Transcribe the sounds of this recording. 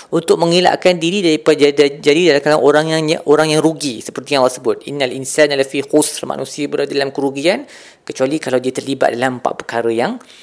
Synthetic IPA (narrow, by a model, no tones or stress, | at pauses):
unt̪ʊk̚mə̃ŋila̰ʔkandiɾidaɾipadd͡ʒadidalakalaŋʔoɾaŋjaŋaʔoɾaŋjaŋɾuɡisə̥pərt̪ijaŋwasəbʊt̪̚ḭnːalʔinsanalafihosrma̰nũsiəbəɾadalamkəɾuɡian | kət͡ʃualikalawdiat̪ərliba̰t̪̚dalampa̰ʔpərkaɾəjaŋ